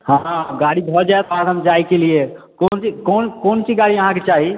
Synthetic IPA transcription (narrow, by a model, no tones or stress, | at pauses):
hãɡaɽibʱɔd͡ʒaet̪ɔɦãkɦəmd͡ʒaːikelie | koːnt͡ʃikoːnkoːnt͡ʃiɡaɽiəɦãket͡ʃaːɦi